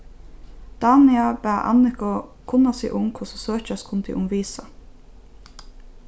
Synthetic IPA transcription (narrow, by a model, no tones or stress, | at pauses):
d̪̥ɑːnɪɑb̥æːʔɑ̰nɪkʊkʰʊnɑsḭːʔʊŋkʰʊsosøːçɑskʰʊnt̪ʰɪ̰ʔʊmʋiːsɑ